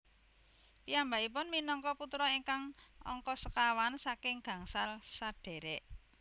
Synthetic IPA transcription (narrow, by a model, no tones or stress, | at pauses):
pijambaip̬ʊnminɔŋkɔput̪ɾɔiŋkaŋɔ̰ŋkɔsəkawansakɪŋɡ̥ä̤ŋsalsaɖ̥e̤ɾɛʔ